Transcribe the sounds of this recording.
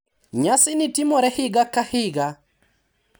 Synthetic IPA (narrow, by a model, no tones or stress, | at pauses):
ɲasɪnitimɔɾɛhiɡakahiɡa